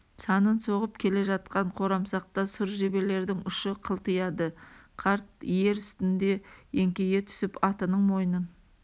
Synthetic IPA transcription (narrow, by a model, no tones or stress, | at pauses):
sɑnənso̞ʁəpkʲʰe̞le̞ʒɑt̪̚qɑɴqʰo̞ɾɑmsɑq̚t̪ɑsʊɾʒe̞be̞le̞ɾd̪ɪŋʊʃəqʰəlˠt̪əjɑd̪əqʰɑɾt̪̚je̞ɾʏst̪ɪnd̪e̞e̞ŋkʲe̞ɡet̪ʰʏ̥sɪpɑt̪ənəɴmo̞jənən